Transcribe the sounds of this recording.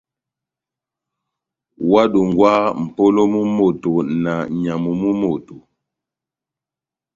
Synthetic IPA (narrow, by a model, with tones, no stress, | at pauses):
wa˦du˨ŋɡwa˦m̩˨po˦lo˦mu˦mo˨to˨na˨ɲa˨mu˨mu˦mo˨to˨